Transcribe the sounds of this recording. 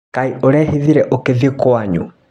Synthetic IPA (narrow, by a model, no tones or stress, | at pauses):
kaioɾɛhiðiɾɛʔokeðekoaɲṵ